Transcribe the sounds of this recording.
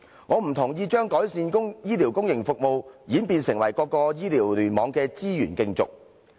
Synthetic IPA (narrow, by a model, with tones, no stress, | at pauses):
ŋɔː˨˧m̩˨˩t̪ʰʊ˨˩ŋjiː˧t͡ʃœː˥ŋkɔː˨˥jsiː˧nkʊ˥ŋjiː˥li˨˩wkʊ˥ŋjɪ˨˩ŋfʊ˨k̚mo˨wjiː˨˥npiː˧nsɪ˨˩ŋwɐ˨˩jkɔː˧kːɔː˧jiː˥liː˨˩wlyː˨˩nmɔː˨˧ŋkɛː˧t͡siː˥jyː˨˩nkɪ˧ŋt͡sʊ̰˨k̚